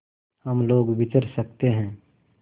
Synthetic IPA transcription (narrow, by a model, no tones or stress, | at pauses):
həmloːɡʋɪt͡ʃəɾsəkt̪eɦɛ̃ː